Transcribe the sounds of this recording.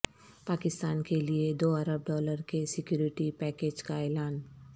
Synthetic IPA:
paːkɪst̪aːnkelied̪oːɐɾəb̚ɖɔːləɾkesɪkjuːɾɪʈipɛːkeːd͡ʒkaɛːlaːn

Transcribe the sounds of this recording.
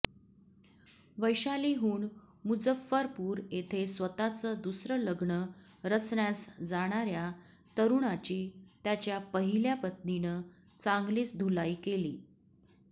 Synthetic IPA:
ʋəjɕaliɦuːɳ | mud͡zəfːəɾpuːɾet̪ʰesʋət̪at͡səːd̪usɾələɡɳə | ɾət͡sɳjasd͡zaɽ̃aɾja | t̪əɾuɳat͡ɕiːt̪jat͡ɕjapəɦiljapət̪ninə | t͡saŋɡliːt͡sd̪ʱulaikelḭː

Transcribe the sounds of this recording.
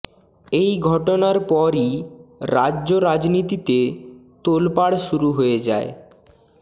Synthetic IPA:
ejɡʱɔʈonaɾpɔɾiɾad͡ʑoɾad͡ʑnit̪it̪et̪olpaɽʃuɾuɦoed͡ʑa̰e

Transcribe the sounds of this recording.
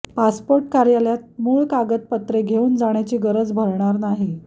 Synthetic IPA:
paspoɾʈkaɾjaljat̪̚muːɭkaɡət̪̚pət̪ɾeɡʱeuːnd͡zaɽ̃jat͡ɕiːɡəɾəd͡zbʱəɾɳaɾnaɦi

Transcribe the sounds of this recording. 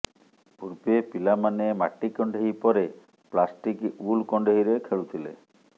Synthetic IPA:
puɾbepilamanema̰ʈikɔɳɖʱeɦipɔɾe | plasʈikulkɔɳɖeɦiɾekʰeɭut̪ʰilḛ

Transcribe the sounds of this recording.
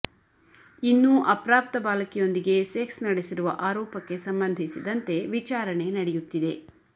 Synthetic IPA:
inːuʔɐpɾaːp̚t̪ɐbaːlɐkijo̞nd̪iɡe̞seksnɐɽesiɾuʋɐ̰ʔaːɾɔːpɐkːe̞sɐmbɐnd̪ʱisid̪ɐnt̪e̞ʋit͡ʃaːɾɐɳe̞nɐɽɛjut̪ːid̪e̞

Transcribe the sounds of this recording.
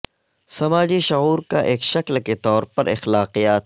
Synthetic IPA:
sɐmaːd͡ʒiʃʊɣuːɾkaʔeːkʃɐklket̪ɔːɾpɐɾʔɪ̰xlaːqijaːt̪

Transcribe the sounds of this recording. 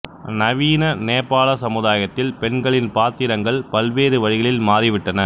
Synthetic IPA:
nɐʋiːnɐneːpːaːɭɐsɐmɯðaːjɐt̪ːɪlpɛɳɡɐɭɪnpaːt̪ːɪɾɐŋɡɐɭpɐlʋeːɾɯʋɐɻɪɣɐɭɪlmaːɾɪʋɪʈːɐnɐ

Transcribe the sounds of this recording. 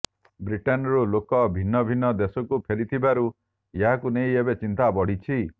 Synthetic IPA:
bɾiʈenɔɾulokɔbʱinːɔbʱinːɔd̪esɔkupʰelit̪ʰibaɾu | jeɦakunejebet͡ʃint̪abɔɽ̤it͡ʃʰi

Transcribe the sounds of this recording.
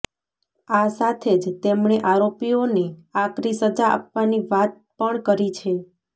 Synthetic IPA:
asat̪ʰed͡ʒt̪emɳ̃eʔaɾopioneakɾisəd͡ʒaʔa̰pʋaniʋat̪̚pəɳkəɾit͡ʃʰe

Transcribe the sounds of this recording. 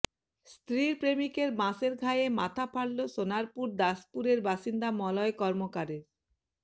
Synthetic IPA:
st̪ɾiɾpɾemikeɾbãseɾɡʱajemat̪ʰapʰaɽloʃonaɾpuɾd̪aspuɾeɾbaʃind̪amɔlɔekɔɾmokaɾeɾ

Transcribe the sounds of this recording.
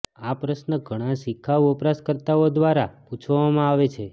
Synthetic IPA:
apɾəʃnəɡʱəɽ̃ãʃikʰːaɔpɾaskəɾt̪aod̪ʋaɾaput͡ʃʰʋamãaʋet͡ʃʰe

